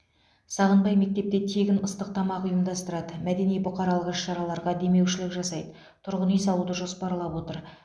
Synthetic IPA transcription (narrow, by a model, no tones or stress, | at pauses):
sɑʁənb̪ɑjme̞k̚t̪e̞p̚t̪e̞t̪ʰe̞ɡʲɪnəst̪əq̚t̪ʰɑmɑqʊjəmd̪ɑst̪əɾɑd̪əmæd̪e̞nijbʊqɑɾɑlˠəqɪʃːɑɾɑlˠɑɾʁɑd̪e̞me̞wʃɪlɪkʒɑsɑjd̪ə | t̪ʰʊɾʁənijsɑlˠud̪əʒo̞spɑɾlˠɑpwo̞t̪əɾ